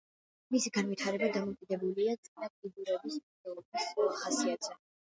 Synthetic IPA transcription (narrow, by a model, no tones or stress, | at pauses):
misiɡanvit̪ʰaɾɛbad̪amɔwkʼid̪ɛbuliat̪sʼinapʼid̪uɾɛbism | ɛlˠɔbisulˠaχasiat̪ʰʼzɛ